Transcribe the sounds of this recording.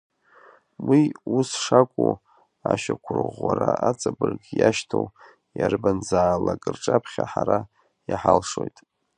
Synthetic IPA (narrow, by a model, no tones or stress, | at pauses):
wiusʂakʷʼu | aʃakʷʰʊrɨʁwaɾaʔat͡sʼabɨrɡʲjaʃtʰow | jarbanzaːlakʼɨrʈ͡ʂʼapʰχʲaħaɾa | jaħalʂojtʼ